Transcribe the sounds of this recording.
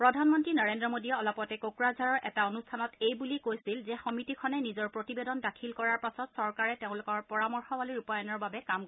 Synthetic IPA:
pɹɔdʱanmɔntɹinɔɹendɹɔmodiɔɔlɔpɔtɛkokɹazʱaɹɔɹʔɛ̰taonustʰanɔtejbulikojsilzɛxɔmitikʰɔnɛnizɔɹpɹotibedɔndakʰilkɔɹaɹpasɔtsɔɹkaɹɛteʊ̃lʊkɔɹpɔɹamɔɹxɔwaliɹupajɔnɔɹbabɛkam

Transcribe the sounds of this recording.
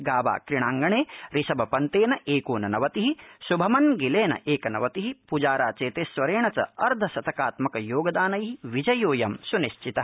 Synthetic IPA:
ɡaːʋa̰ːkɾiɳaːŋɡɐɳeːɾisɐbɐpɐnt̪eːnɐʔeːkoːnɐnɐʋɐt̪iɦisubʱɐmɐnɡileːnɐ̰ʔeːkɐnɐ̰ʋɐt̪iɦipud͡ʒaːɾaːt͡ʃeːt̪eːsʋɐɾeːɳɐt͡ʃɐ̰ɐɾd̪ʱɐsɐt̪ʰɐkaːt̪mɐkɐjoːɡɐd̪aːnɐjɦiʋid͡ʒɐjoːjɐmsuniʃt͡ʃʰit̪ɐ

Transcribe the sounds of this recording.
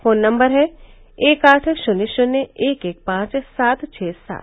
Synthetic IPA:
foːnːɐ̃mbəɾɦɛ | eːkaːʈʰʃʊnɪʃʊnːeeːkeːk̚pãːt͡ʃsaːt̪t͡ʃʰɛːsa̰ːt̪

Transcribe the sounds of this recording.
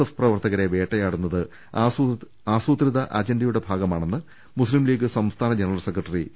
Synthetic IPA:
ɐfprɐʋɐrt̪ɐɣɐɾe̞ʋe̞ːʈːɐjaːɽunːɐðɨ | aːsuːt̪riðɐʔaːd͡ʑenɖijuɽe̞bʱaːɡɐmaːɳe̞nːɨ | muslimliːɡɨsɐmst̪ʰaːnɐd͡ʑenɐrɐlsekrɐʈːɐri

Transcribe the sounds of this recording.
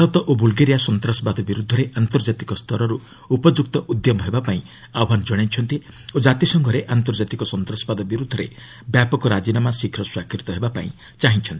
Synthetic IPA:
t̪ɔt̪ɔʔobulɡeɾijasɔnt̪ɾasɔbad̪ɔbiɾud̪ʱːɔɾeʔant̪ɔɾd͡ʒat̪ikɔst̪ʰɔɾɔɾu | upɔd͡ʒuk̚t̪ɔʔud̪jɔmɔɦebapaĩ | awɦanɔd͡ʒɔɽ̃et͡ʃʰɔnt̪i | od͡ʒat̪isɔŋɡʱɔɾeʔant̪ɔɾd͡ʒat̪ikɔsɔnt̪ɾasɔbad̪ɔbiɾud̪ʱːɔɾḛ | bjapɔkɔɾad͡ʒinamasikʰɾɔswakɾit̪ɔɦebapa̰ḭ̃ | t͡ʃaɦĩt͡ʃʰɔnt̪i

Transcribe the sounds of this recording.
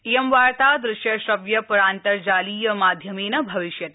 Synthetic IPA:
ijəmʋaɾt̪ad̪ɾɪʃjɐʃəʋjɐpɐɾãːnt̪əɾd͡ʒaliːjɐmad̪ʱjəmenɐbʱɐʋɪʃjɐt̪

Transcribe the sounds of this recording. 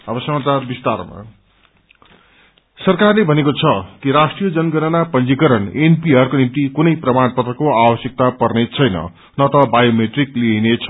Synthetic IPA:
ʌbʌsʌmat͡sarbist̪arma̰ | sʌrkarlebʱʌnekot͡sʰʌkiɾasʈrijʌd͡zʌnɡʌnʌnapʌnd͡zikʌɾʌnenpiʌrkonint̪ikunʌjprʌmanpʌt̪rʌkoabʌsjʌk̚t̪apʌrnet͡sʰʌjnʌ̰ | nʌt̪ʌbajomeʈrikliɦinet͡sʰʌ̥

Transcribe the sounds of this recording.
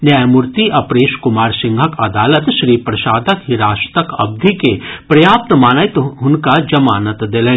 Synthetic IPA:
najmʊɾt̪iʔɐpɾeːʃkʊmaːɾsɪ̃ŋɡʱɐkɐd̪aːlət̪ʃɾiːpɾɐʃaːd̪ʱəkɦɪɾaːʃt̪ɐkɐ̰b̚d̪ʱikepɾɐjaːp̚t̪maːnajt̪ɦʊnkad͡ʒɐmaːnət̪d̪eːlẽː

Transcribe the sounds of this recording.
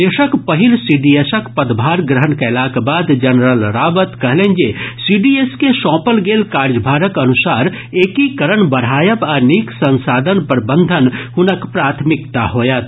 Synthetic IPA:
d̪eːʃəkpəɦɪlsiɖiesəkpəd̪bʱaːɾɡɾəɦənkaɪlaːkabaːd̪d͡ʒənɾəlɾaːbət̪kəɦlend͡ʒesiɖieskeʃɔ̃ːpəlɡeːlkaːɾd͡ʒbʱaːɾəkənʊsaːɾ | eːkikəɾəɳbəɽ̤ɦaːjəpaɾniːksə̃nsaːd̪ʱənpəɾbə̃nd̪ʱənhʊnəkpɾaːt̪ʰmɪkt̪aɦoːjət̪

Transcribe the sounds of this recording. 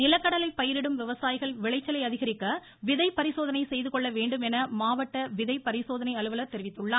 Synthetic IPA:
nɪlɐkːɐɽɐlɐɪpɐjɪɾɪɽɯmʋɪʋɐsaːjɪɣɐɭʋɪɭɐɪt͡ʃːɐlɐɪɐðɪɣɐɾɪkːɐ | ʋɪðɐɪpɐɾɪsoːðɐnɐɪsɛjðɯkɔɭːɐʋeːɳɖɯmɛnɐmaːʋɐʈːɐʋɪðɐɪpɐɾɪsoːðɐnɐɪɐɭɯʋɐlɐɾt̪ɛɾɪʋɪt̪ːɯɭːaː

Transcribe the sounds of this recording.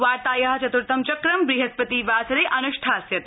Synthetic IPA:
ʋaːɾt̪aːjɐɦɐt͡ʃɐt̪uɾt̪ɐmt͡ʃɐkɾɐmbɾiɦɐspɐt̪iːʋaːsɐɾeːʔɐnuʃʈʰaːsjɐt̪

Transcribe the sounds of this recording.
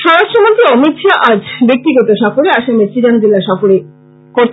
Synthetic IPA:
ʃɔɾaʃtɾomot̪iɔmit̪ːʃaʔad͡ʑbek̚t̪iɡɔt̪oʃafoɾeaʃameɾt͡ɕid͡ʑand͡ʑilaʃafoɾe | koɾ

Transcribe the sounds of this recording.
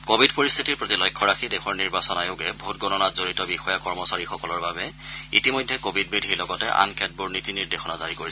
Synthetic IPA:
kobʱidpoɹist̪ʰitiɹpɹotilɔjkʰːɔɹaxʰidɛxɔɹniɹbasɔnajoɡɛbutɡɔnɔnatzoɹitɔbixɔjakɔɹmɔsaɹixɔkɔlɔɹbabɛ | ḭtimɔjdʱːɛkobʱid̚bidʱiɹlɔɡɔtɛʔa̰nkʰɛt̚buɹnitiniɹdexɔnazaɹikoɹis

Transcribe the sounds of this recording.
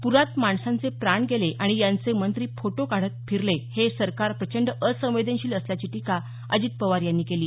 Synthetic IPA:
puɾat̪maɳsãnt͡sepɾaɳɡeleʔaɽ̃ijãnt͡semənt̪ɾiːfoʈokaɽ̤ət̪̚fʰiɾlehesəɾkaɾpɾət͡ɕəɳɖəsə̃ʋ̃ʋed̪ənɕiːləsljat͡ɕiːʈika | ə̰d͡ʑiːt̪̚pəʋaɾjanːiːkeliː

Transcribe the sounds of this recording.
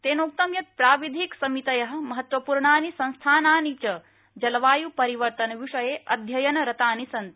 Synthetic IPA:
t̪eːnoːk̚t̪ɐmjɐt̪̚pɾaːʋid̪ʱiksɐmit̪ɐjɐɦɐ̆mɐɦɐt̪ʋɐpuːɾɳaːnisɐ̃nst̪ʰaːnaːnit͡ʃɐ | d͡ʒɐlʋaːjupɐɾiʋɐɾt̪ɐnɐʋiʂɐjeːʔɐd̪ʱjɐjɐnɐɾɐt̪aːnisɐnt̪

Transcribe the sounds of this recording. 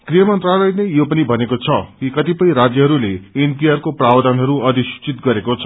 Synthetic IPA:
krijʌmʌnt̪ralʌjnʌjjopʌnibʱʌnekot͡sʰʌkikʌt̪ipʌjɾad͡zjʌɦʌɾuleenpiarkoprawd̪ʱanɦʌɾuʌd̪isi̥t͡sit̪ɡʌɾekot͡sʰʌ̥

